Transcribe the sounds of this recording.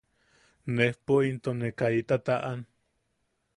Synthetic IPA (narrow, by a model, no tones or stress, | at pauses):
nehpoint̪onekait̪at̪aʔan